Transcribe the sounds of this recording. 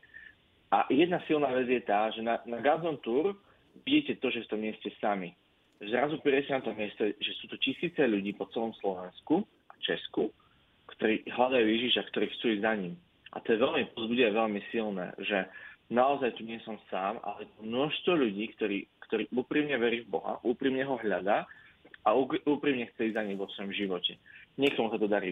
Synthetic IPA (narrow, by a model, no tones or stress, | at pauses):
ʔa̰jɛd̪nasilˠnaːʋɛd͡zjɛt̪aːʒɛnanaɡazɔnt̪uːɾ | ʋiɟiːcɛt̪ɔʒɛft̪ɔmɪɛscɛsami | ʒɛzɾazupɛɾɪɛcɛnat̪ɔmɪɛst̪ɛʒɛsuːt̪ucisiːt͡sɛʎuɟiːpɔt͡sɛlɔmslɔʋɛnsku | ʔat͡ʃɛsku | kt̪ɔɾiːɦlad̪ajuːjɛʒiʃakt̪ɔɾiːxt͡suːiɟzaɲim | ʔa̰t̪ɔjɛʋɛlmipɔzbuɟiaʋɛʎmisilnɛ̰ːʒɛnaɔzajt̪uɲɪɛsɔmsaːma̰lɛjɛt̪ɔmnʊɔʃst̪ʋɔʎuɟiːkt̪ɔɾḭːkt̪ɔɾiːʔuːpɾimɲɛʋɛɾiːvbɔɦa̰ʔuːpɾiːmɲɛɦɔɦʎad̪aː | auuːpɾiːmɲɛxt͡sɛizaɲimʋɔsʋɔjɔmʒiʋɔcɛɲɪɛkt̪ɔmusat̪ɔd̪aɾḭ